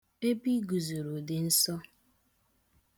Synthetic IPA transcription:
e˦bi˦ɡu˨zo˨ɾu˨dɪ˨n̩˦sɔ˦

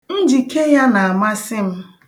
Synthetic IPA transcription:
n̩˦d͡ʒi˨ke˦ja˦na˨a˨ma˦sɪ˦m̩˦

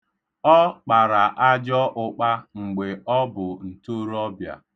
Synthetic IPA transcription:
ɔ˦k͡pa˨ɾa˨ʔa˦d͡ʒɔ˦ʔʊ˨k͡pa˦ŋ͡m̩˨ɡ͡be˨ɔ˦bʊ˨n̩˨to˦ɾɔ˦bja̰˨

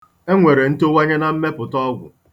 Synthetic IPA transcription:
e˦ŋʷe˨ɾe˨n̩˦to˦wa˦ɲe˦na˨m̩˦me˦pʊ˨tɔ˦ɡʷʊ̰˨

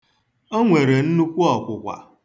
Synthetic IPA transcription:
o˦ŋʷe˨ɾe˨n̩˦nu˦kʷu˦ɔ˨kʷʊ˨kʷa̰˨

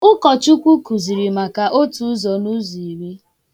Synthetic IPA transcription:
ʊ˦kɔ˨t͡ʃu˦kʷu˦ku˨zi˨ɾi˨ma˨ka˨ʔo˦tu˦zɔ˨nu˦zi˨i˨ɾi˦

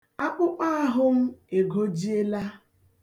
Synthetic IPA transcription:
a˦k͡pʊ˦k͡pa˦a˦ɦʊ˦m̩˦e˨ɡo˦d͡ʒi˦e˦la˦

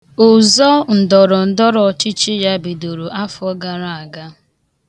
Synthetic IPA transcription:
ʊ˨zɔ˦n̩˨dɔ˨ɾɔ˨n̩˨dɔ˦ɾɔ˨t͡ʃɪ˦t͡ʃɪ˦ja˦bi˨do˨ɾo˨ʔa˦fʊ˦ɔ˦ɡa˨ɾa˨a˨ɡa˦

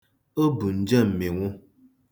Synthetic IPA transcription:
ə˦bu˨n̩˦d͡ʒə˦˨m̩˨me˨ŋo˦

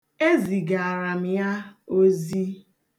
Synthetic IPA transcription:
e˦zi˨ɡa˨a˨ɾa˨m̩˨ja˦o˦zi˦

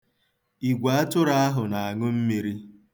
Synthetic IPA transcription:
i˨ɡʷa˨a˦tʊ˦ɾa˦a˦ɦʊ˨na˨a˨ŋʊ˦m̩˦mi˨ɾi˦

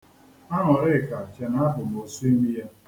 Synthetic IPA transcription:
a˦ɦɔ˨ɾɪ˦˨ka˨t͡ʃe˨na˦ɦʊ˨no˨su˦e˦mi˦je˦

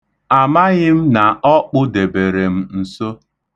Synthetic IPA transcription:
a˨ma˦ɣɪ˦m̩˦na˨ɔ˦k͡pʊ˦de˨be˨ɾe˨m̩˦n̩˨so˦

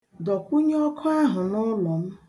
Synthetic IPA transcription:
dɔ˨kʷu˦ɲ˦ɔ˦kʰɔ˦a˦ɦʊ˨nʊ˦lɔ˨m̩˦

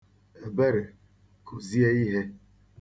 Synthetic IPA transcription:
e˨be˦ɾe˨ | kʰo˨zi˦e˦i˦ɦe˦

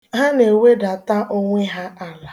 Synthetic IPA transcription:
ɦa˦ne˨we˦da˨ta˦ʔo˦ŋʷe˦ɦa˦a˦la˨

